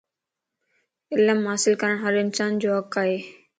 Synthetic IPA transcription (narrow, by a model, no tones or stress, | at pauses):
ɪləmɦaːsɪlkəɾəɳ̃ɦəɾɪnsaːnd͡ʒoːɦəkaːɦeː